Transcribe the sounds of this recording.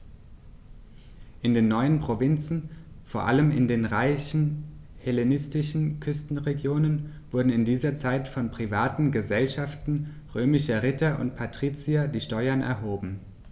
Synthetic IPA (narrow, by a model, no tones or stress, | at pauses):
ʔɪndeːnːɔʏənpʁ̥ovɪnt͡sn̩foːɐʔa̰ləmɪ̰ndeːnʁaɪçn̩helenɪstɪʃn̩kʰʏstn̩ʁeɡjoːnən | v̥ʊɐdn̩ɪndiːzɐt͡saɪtfɔnpʁ̥ivaːtn̩ɡəzɛlʃaftn̩ | ʁøːmɪʃɐʁɪtɐʔʊ̰ntpʰatʁ̥iːt͡siadiːʃtɔʏɐnʔɛ̰ɐɦoːbm̩